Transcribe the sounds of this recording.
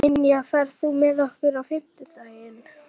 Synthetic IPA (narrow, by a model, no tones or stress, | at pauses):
ɪnjafaɾ̥θumɛðɔhkʏɾawfɪm̥t̪ɪt̪ajɪn